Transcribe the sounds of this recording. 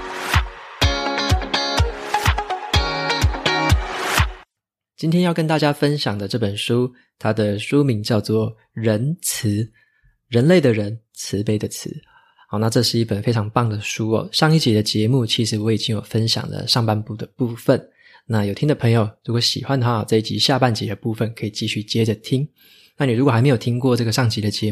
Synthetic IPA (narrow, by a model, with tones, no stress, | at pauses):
t͡ɕi˥nt̪ʰjɛ˥njɑ˥˩ʊkə˦nt̪a˥˩t͡ɕja˥fə˦nɕjɑ˨˩ŋd̪ə˦ʈ͡ʂɤ˥˩pə˨˩nʂu˦ | t̪ʰa˥d̪ə˨ʂu˦mi˧˥˦ŋt͡ɕjɑ˥˧ʊt͡swɔ˥˩ | ɻə˧˦˥nt͡s̩ʰ˧˦ | ɻə˧˥nle˥˩ɪd̪ə˩ɻə˧˦n | t͡s̩ʰ˧˦pe˥ɪd̪ə˨t͡s̩ʰ˧˩˦ | hɑ˨˩na˥˧ʈ͡ʂɤ˥˧ʂɻ̩˥˩i˥˩pə˨˩nfe˥ɪʈ͡ʂʰɑ˧˥ŋpɑ˥˩ŋd̪ə˩ʂu˦˥ɔ̰˨˩ɕjɑ˥˧ŋi˥˩t͡ɕi˨˥d̪ə˧t͡ɕjɛ˧˦mu˥˩t͡ɕʰi˧˥ʂɻ̩˧˥wɔ˧˥i˨˩t͡ɕi˦˥ŋjo˨˩ʊfə˦nɕjɑ̰˨˩ŋlə̰˩ʂɑ˥˧ŋpa˥˧npu˥˩d̪ə˩pu˥˧fə˥˨n | na˥˩jo˨ʊt̪ʰi˥nd̪ə˨pʰɤ˧˥ŋjo˨˩ʊɻu˧˥kwɔ˧˩˦ɕḭ˨˩xwa˦nd̪ə˩xwa˥˩˨t͡sa˥˧i˥˩t͡ɕḭ˧˥ɕja˥˧pa˥˩nt͡ɕḭ˨˦d̪ə˦pu˥˩fə˨nkʰɤ˧˥i˨˩t͡ɕi˥˧ɕy˥˩t͡ɕjɛ˦d͡ʒə˨t̪ʰi˦˥ŋ | na˥˩ni˨˩ɻu˧˥kwxa˧ɪme˧˥jo˨˩t̪ʰi˥ŋkwɔ˥˧ʈ͡ʂɤ˥˩ɡə˩ʂɑ˥˩ŋt͡ɕi˧˥d̪ə˧t͡ɕjɛ˧˦